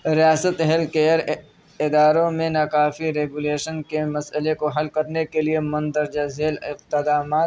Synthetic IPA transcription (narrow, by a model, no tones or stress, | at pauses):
ɾijaːsət̪ɐɦɛlkeəɾ | ɪd̪aːɾõmẽnaːkaːfiɾeːɡuleːʃənkemɐsəlekoɦɐlkɐɾnekeliemʊ̃nd̪əɾd͡ʒɐzeːlɪqt̪ɪd̪aːmaː